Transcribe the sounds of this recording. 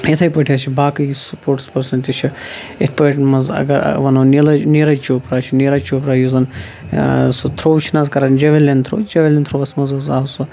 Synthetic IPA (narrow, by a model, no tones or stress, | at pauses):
jit̪ʰɐjpɐʈʰijaːt͡ʃʰibaːkɨjisupoːɾʈspɐɾsɐnt̪ʲit͡ʃʰi | ḛpɐʈmɐzɐ̰ɡɐɾ̰ʋɐnonilɐneɾɐt͡ʃoːpɾaːt͡ʃʰineːɾɐt͡ʃoːpɾaːjuzɐn | sɨt̪ʰɾoːwt͡ʃʰinaːzkɐɾaːnd͡ʒɐʋʲelʲɐnt̪ʰɾoːd͡ʒɐʋʲelʲent̪ʰɾoʋɐsmɐzɐzaːsu